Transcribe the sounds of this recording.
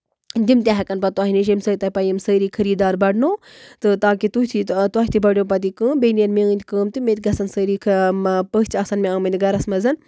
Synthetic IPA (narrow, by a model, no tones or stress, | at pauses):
d̪imt̪ʲaɦɐkɐnpɐt̪uaːɦiniʃemsət̪ɐpɐjimsəɾiːkʰɐɾiːd̪aːɾbɐɽnoː | t̪ɨt̪aːkit̪ut̪ʰit̪uaɦit̪ʰibɐɽjoːp̬ɐt̪̬ikəːnbeniɐnmeɨ̃nʲd̪ʲkəːmt̪imẽːt̪̚ʲɡɐsɐnsəɾiːkʰpət͡ʃiɐsɐnmʲeãːmɐnʲd̪ɡɐɾɐsmɐzɐn